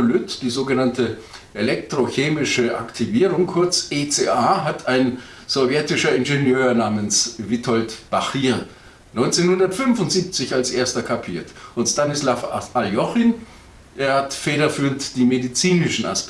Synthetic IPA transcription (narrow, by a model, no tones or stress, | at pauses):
lʏtd̥iːzoːɡənantəʔelɛktʁ̥oçeːmɪʃəʔa̰ktʰiviːʁʊŋkʰʊɐt͡set͡seːʔaːɦatʰaɪn | z̥ovjɛtɪʃɐɪnʒenjøːɐnaːmənsvɪtʰɔltb̥aχiːɐ | nɔʏnt͡senhʊndɐtfʏnfʊntz̥iːp̚t͡sɪçalsʔeːɐstɐkʰapʰḭːɐtʔʊntstanɪslafʔaljɔχin | ʔeːɐhatfeːɾɐfyːntd̥iːmedit͡siːnɪʃn̩a̰s